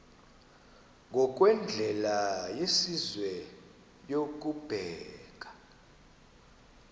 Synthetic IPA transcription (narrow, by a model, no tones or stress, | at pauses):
ŋʱɔk̬ʼwɛnd͡ɮʱɛlajesizwɛ | jok̬ub̥ʱɛːk̬ḁ